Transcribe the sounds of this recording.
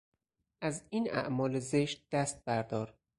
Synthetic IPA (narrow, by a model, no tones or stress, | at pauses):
ʔæziːnæ̰ʔmɒːlezeʃt̪̚d̪̥æst̪̚bæɾd̪ɒːɾ